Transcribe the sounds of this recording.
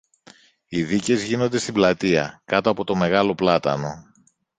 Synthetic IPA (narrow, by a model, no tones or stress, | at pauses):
iðice̞zʝino̞nd̪e̞st̪iblɐt̪iɐ̰kɐt̪oɐpo̞t̪o̞me̞ɣɐlo̞plɐt̪ɐ̰no̞